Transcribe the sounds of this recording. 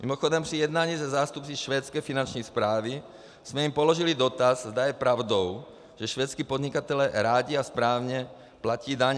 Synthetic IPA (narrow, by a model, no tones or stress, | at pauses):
mḭmɔxɔd̪ɔmsijɛd̪naːɲizazaːst̪upt͡siʃʋɛːt͡skɛjfinant͡ʃnɛspɾaːʋi | z̥mɛimpɔlɔʒilid̪ɔt̪azzd̪ajɛpɾaʊd̪ɔʊ | ʒ̥ɛʃʋɛːt͡skipɔd̪ɲikat̪ɛlɛɾaːɟiaspɾaːʊɲɛ | placiːd̪aɲ